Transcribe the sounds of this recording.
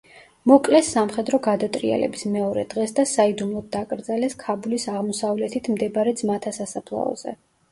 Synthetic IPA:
mɔkʼlɛsːamχɛd̪ɾɔɡad̪at̪ʼɾḭɛ̰lɛ̰bismɛɔɾɛd̪̥ʁɛsd̪asaid̪umlˠɔd̪̚d̪akʼɾd̪zalɛskʰabulisaʁmɔsavlɛt̪ʰit̪ʰmd̪ɛbaɾɛd̪zmat̪ʰasasapʰlˠa̰ɔ̰z̥ɛ̰

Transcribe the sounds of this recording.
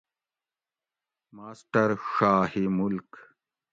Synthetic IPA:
maːsʈɐɾʂaːhimulk

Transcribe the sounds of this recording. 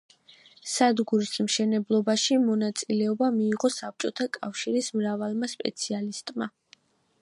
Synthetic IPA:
sad̪ɡuɾismʃɛnɛblˠɔbaʃimɔnat̪sʼilɛɔbamiːʁɔsap̚t͡ʃʼɔt̪ʰakʼafʃiɾismɾavalˠmaspʼɛ̰t̪sʰialist̪ʼma

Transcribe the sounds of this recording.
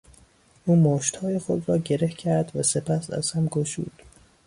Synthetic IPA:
ʔuːmoːʃt̪hɒːje̞xod̪ɾɒːɟe̞ɾehcʰæɾd̪væse̞pʰæsæ̰z̥hæmɡoʃṵːd̪̥

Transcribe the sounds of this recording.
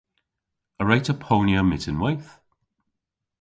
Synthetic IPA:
əɹɛjtʰəpʰownjəmɪtɪnwɛjθ

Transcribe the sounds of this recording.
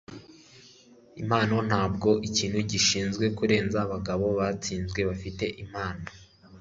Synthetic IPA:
imaːnon̥haːb̚ɡo̞ʔiciːn̥huɟiʃiːnzɡwe̞kuɾe̞ːnzaβaɡaβo̞βat͡siːnzɡwe̞βafite̞ʔimaːna

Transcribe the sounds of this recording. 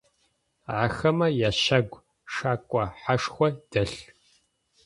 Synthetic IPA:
ʕaxɐmɐjaːʃɐɡʷ | ʂaːkʷʼɐħaʂxʷɔd̥ɐɬ

